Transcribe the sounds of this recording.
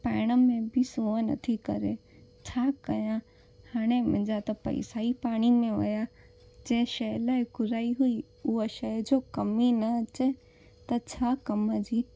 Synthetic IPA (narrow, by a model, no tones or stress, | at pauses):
pɛːɪɽ̃əmẽbɪsũə̃nɐ̰t̪ʰikɐɾe | t͡ɕʰaːkɐjã | haːɽ̃emɪ̃d͡ʑat̪ɐpɐ̰ḭsaːipaːɽ̃imẽʋɐ̰ja | d͡ʑɐ̃ɪ̃ʃɐɦlaːɪkʊɾaːiɦui | ʊəʃɐːd͡ʑoːkɐminɐɐt͡ɕe | t̪ɐt͡ɕʰaːkɐməd͡ʑiː